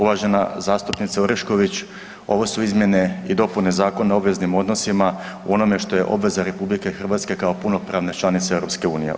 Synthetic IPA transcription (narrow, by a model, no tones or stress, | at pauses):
uʋaʒe̞nazaːst̪upnit̪saoɾeʃko̞ʋit͡ɕ | o̞ʋo̞suizmje̞ne̞id̪o̞punnezaːko̞neo̞bʋe̞znimo̞d̪no̞sima | ṵo̞no̞me̞ʃt̪o̞je̞̰ʔo̞bʋe̞zaɾe̞publike̞xr̩ʋaːt̪ske̞kao̞punopɾaːʋnet͡ʃlˠanit̪seeɾo̞pske̞uːnije̞̰